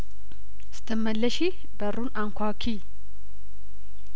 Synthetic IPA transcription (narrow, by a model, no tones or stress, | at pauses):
sɨ̥t̪ʰːəmːəlːəʃi | bəɾunaŋkʷʰakʰi